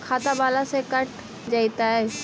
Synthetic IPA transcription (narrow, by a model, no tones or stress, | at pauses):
kʰaːt̪abaːlasekəʈ̚ʰ | d͡ʒaːit̪aɦɛː